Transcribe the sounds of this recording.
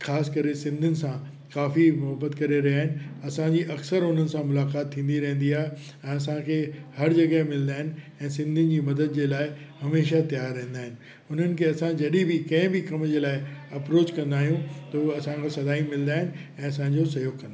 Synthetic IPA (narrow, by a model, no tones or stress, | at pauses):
xaːskɐɾesɪ̃nd̪ʱʊnɪ̆sã | kaːfimʊɦəbət̪kɐɾeɾɐɦjaːɦɪnɪ̆ɐsãɲd͡ʑiʔɐksəɾʊn̤ənɪ̆sãmʊlaːkaːt̪ʰːĩːn̆d̪iɾɐ̃ɦə̃nd̪iaːɦe | ɛ̃ːɐs̬ãkʰeːhɐɾd͡ʑɐɡaemɪlə̃nd̪aːɦɪnɪ̆ | ɛ̃ːsɪ̃nd̪ʱɪnɪ̆d͡ʑiːmɐd̪əd̪̚d͡ʑeːlaːɪhɐmeːʃat̪ɐjaːɾːɐɦə̃n̆d̪aːɦɪnɪ̆ | ʊn̤ənɪ̆kʰeːɐsãd͡ʑɐɗibɪkɐ̃ɦɪ̃bɪkɐmd͡ʑeːlaːɪɐpɾoːt͡ɕkɐ̃nd̪aːɦijũt̪ɐuɐsãkʰasɐd̪aːimɪlə̃nd̪aːɦɪnɪ̆ | ɛ̃ːɐs̬ãɲd͡ʑosɐjoːkːɐ̃nd̪aː